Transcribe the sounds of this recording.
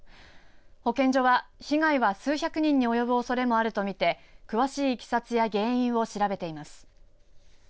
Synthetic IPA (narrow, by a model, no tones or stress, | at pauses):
ho̞kẽ̞ɲd͡ʑo̞βaçiɡaiβasɨːçʲakɯ̟ɲ̟ĩɲ̟ːio̞jo̞bɯ̟o̞so̞ɾe̞mo̞aɾɯ̟t̪o̞mʲit̪e̞kɯ̟βaɕiːkʲi̥sat͡sɨjaɡẽ̞ːĩɰ̃βo̞ɕiɾabe̞t̪e̞imasɨ̥